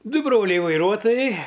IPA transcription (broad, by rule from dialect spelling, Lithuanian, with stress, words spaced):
ˈdʊ ˈbroːlʲɛɪ ʋɐɪˈruɔtoːjɛɪ